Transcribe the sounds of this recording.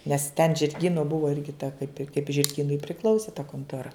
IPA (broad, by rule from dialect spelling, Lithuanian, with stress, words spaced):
nʲɛs tʲɛn ʒʲɪrʲˈɡʲiːnoː ˈbʊʋoː ɪr kʲɪˈtɐ kɐɪp ɪ kɐɪp ʒʲɪrʲˈɡʲiːnʊɪ pʲrʲɪˈklˠɐʊsʲeː tɐ koːntoːˈrɐ